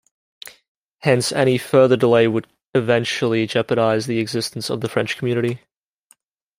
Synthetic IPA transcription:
hɛ̃nsɛ̰ɾ̃ifɜ˞ðədəleɪwəɾ | ɨvɛ̃nt͡ʃl̩ˠid͡ʒɛpəɾaɪzðiɨɡzɪstn̩sʌ̰vðəfɹɛ̃nt͡ʃkʰmjʉñɨɾi

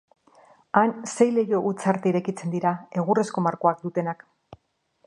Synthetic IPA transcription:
anse̞jle̞jo̞ʔut͡saɾt̪eiɾe̞kit͡se̞nd̪iɾae̞ɣure̞sko̞maɾko̞ak̚d̪ut̪e̞nak

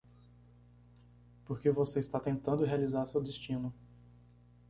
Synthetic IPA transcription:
poɾkevoseist̪at̪ẽnt̪ɐ̃nd̪ʊɦealizaɾsewd̪est͡ʃĩnʊ

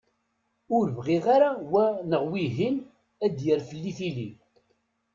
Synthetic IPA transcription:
ʊɾvʁiʁaɾawænəʁwiɦin | æd̪jəɾfəlːiθili

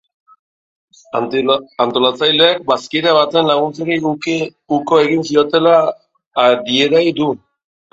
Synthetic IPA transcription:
ant̪o̞lat͡sajleːk̚baskiɾaβat̪e̞nlaɣ̞unt͡seki | uko̞e̞ɣinsio̞t̪e̞la | ɾieɾajd̪u

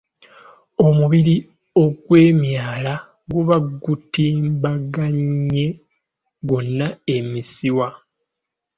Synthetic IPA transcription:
o̞muβiɾi | o̞ɡwe̞ːmjaːla | ɡuβaɡutiːmbaɡaɲːe̞ | ɡo̞nːae̞misiwa

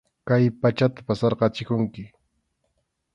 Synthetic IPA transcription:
kajpat͡ʃat̪ḁpasɑɾɢɑt͡ʃɪkʊŋkɪ

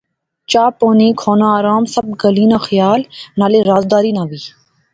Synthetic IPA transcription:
t͡ʃaːpoːnĩːkʰoːnãːaːɾaːmsəb̚ɡəliːnaːxəjaːlnaːleːɾaːzd̪aːɾiːnaːʋiː

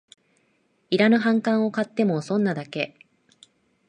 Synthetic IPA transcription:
iɾanɯ̟ɦãŋkãɰ̃o̞kat̪ːe̞mo̞sõ̞nːad̪ake̞

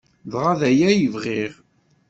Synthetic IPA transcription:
ðʁaðæjæjəvʁiʁ

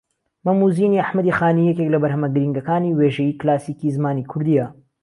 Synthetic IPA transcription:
mɐmuːziːniaħmɐd̪ixaːniːjɛk̬ʲeklɐbɐɾɦɐmɐɡɨɾiŋɡɐkaːniweːʒɐjiːklaːsiːkizmaːniːkʰʊɾd̪ijɐ

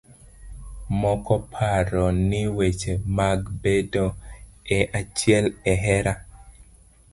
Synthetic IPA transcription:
mɔkɔpʰaɾɔnɪwet͡ʃemaɡbedoɛʔat͡ʃjɛlɛɦɛɾa

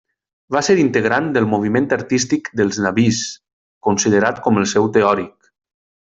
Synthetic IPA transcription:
baseɾint̪əɣ̞ɾand̪əlˠmuβ̞iment̪əɾt̪ist̪ikd̪əlˠznaβis | kunsiðəɾat̪kɔməlˠsɛwt̪eɔɾik̚

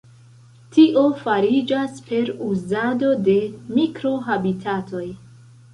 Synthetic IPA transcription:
tiʔo̞faɾid͡ʒaspe̞ɾuzado̞de̞mikɾo̞ɦabitʰatʰo̞j

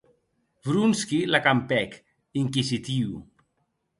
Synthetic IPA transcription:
bɾunskilakampɛk | iŋkizit̪iw

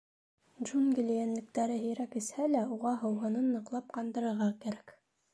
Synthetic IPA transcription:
dʒunɡʲilʲijænlɘ̆k̚t̪æɾɘɦɘ̆jɾækɘ̆shælæuʁɑɦɤ̆wɦɤ̆nɤnːɤ̆qlˠɑp̚qɑnd̪ɤ̆ɾɤ̆ɾʁɑkæɾæk

